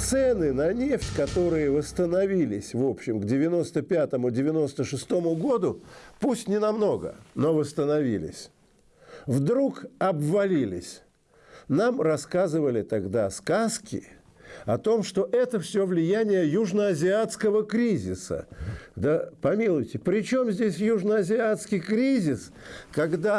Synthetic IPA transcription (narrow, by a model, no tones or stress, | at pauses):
t̪sɛnɨnɐnʲeftʲkɐt̪o̞ɾɨjəvəst̪ənɐvʲilʲɪsʲvo̞pɕːɪmɡdʲɪvʲɪno̞st̪əpʲat̪əmʊdʲɪvʲɪno̞st̪əʂɨst̪o̞mʊɡo̞d̪ʊpusʲtʲnʲɪnɐmno̞ɡə̰no̞vəst̪ənɐvʲilʲɪ̰sʲ | vd̪ɾukɐbvɐlʲilʲɪ̰sʲ | namrɐskazɨvəlʲɪt̪ɐɡd̪askaskʲɪ̰ | ɐt̪o̞mʂt̪o̞ʔɛt̪əfsʲovlʲɪjænʲɪjəjuʐnəɐzʲɪat̪skəvəkɾʲizʲɪsə̰d̪əpɐmʲilˠʊjtʲɪpɾʲɪt͡ɕo̞mzʲdʲesʲjuʐnəɐzʲɪat̪skʲɪjkɾʲizʲɪs | kɐɡd̪a